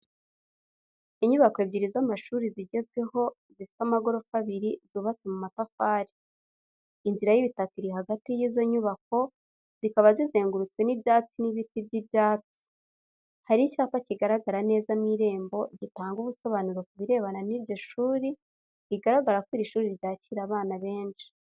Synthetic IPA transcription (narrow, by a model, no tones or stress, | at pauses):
iɲuβako̞ebɟiɾizamaʃuːɾiziɟe̞zɡwe̞ho̞ | zifi̥tamaɡo̞ɾo̞kaβiɾizuβat͡semumatafaːɾi̥ | inziɾajiβitakiɾiɦaɡatijiːzo̞ɲuβak̚o̞ | z̥ikaβazize̞ːŋɡuɾut͡swe̞nibjaːt͡siniβitibɟibjaːt͡sii̥ | haɾicaːkaciɡaɾaɡaɾane̞ːzamŋiɾe̞ːmbo̞ɟitaːŋɡuβuso̞βanuɾo̞kuβiɾe̞ːβananiɾɟo̞ʃuːɾi | iɡaɾaɡaɾakwiɾiʃuːɾiɾɟaːciɾaβaːnaβe̞ːnʃi̥